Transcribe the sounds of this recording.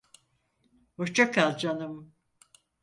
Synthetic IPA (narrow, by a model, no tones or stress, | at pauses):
hoɾt͡ʃʰakʰalˠd͡ʒanɯm